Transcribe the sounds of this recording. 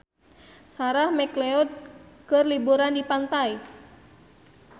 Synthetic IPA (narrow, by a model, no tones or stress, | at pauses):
saɾahmɛklɛɔd̪̚kɨrlibuɾandipant̪aj